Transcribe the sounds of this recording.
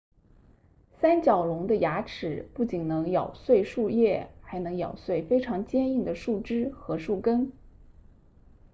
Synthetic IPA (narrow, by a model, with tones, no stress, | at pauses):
sa˥nt͡ɕjɑ˨˩ʊlʊ˧˥ŋd̪ə˧ja˧˥ʈ͡ʂʰɻ̩˨˩pu˥˩t͡ɕi˨˩nnɤ˧˥ŋjɑ˨˩ʊswe˥˧ɪʂu˥˧jɛ˥˩xa˧˥ɪnɤ˧˥ŋjɑ̰˨˩ʊswe˥˩ɪfe˥ɪʈ͡ʂʰɑ˧˥ŋt͡ɕjɛ˥ni˥˩ŋd̪ə˩ʂu˥˩ʈ͡ʂɻ̩˥xɤ˧˥ʂu˥˩kə˥n